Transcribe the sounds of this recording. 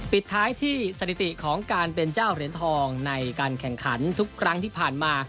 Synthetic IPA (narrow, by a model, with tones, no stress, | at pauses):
pi˨˩t̪ʰːaː˦˥jt̪ʰiː˥˩sa˧t̪ʰi˨˩t̪i˨˩kʰɔː˩˦ŋkaː˧npe˧nt͡ɕaː˥˩wɾi˩˦nt̪ʰɔː˧ŋna˧jkaː˧nkʰɛ˨˩ŋkʰa˩˦nt̪ʰu˦˥kʰːɾa˦˥ŋt̪ʰiː˥˩pʰaː˨˩nmaː˧